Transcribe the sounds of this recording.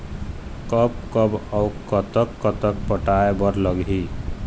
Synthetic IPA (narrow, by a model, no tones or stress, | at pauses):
kʌp̚kʌbɔwkʌt̪əkːʌt̪ək̚pəʈaebʌɾləɡɦi